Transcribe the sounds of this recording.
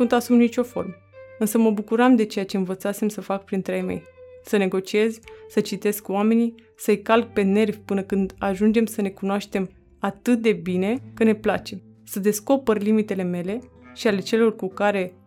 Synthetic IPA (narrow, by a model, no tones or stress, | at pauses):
unt̪asumnit͡ʃʲo̞fo̞̰rmə | ɨnsəməbukuɾamd̪e̞t͡ʃejat͡ʃeɨnvət̪sat̪se̞msəfak̚pɾint̪ɾejmḛjsəne̞ɡo̞t͡ʃie̞zsət͡ʃit̪e̞skwame̞ni | səjkalk̚pe̞ne̞rvʲpɨnəkɨnd̪aʒund͡ʒe̞msəne̞kunoaʃt̪e̞m | at̪ɨt̪̚d̪e̞bine̞kəne̞plat͡ʃe̞ | səd̪e̞sko̞pərʲlimit̪e̞le̞me̞le̞ | ʃiale̞t͡ʃe̞lo̞rkukaɾe̞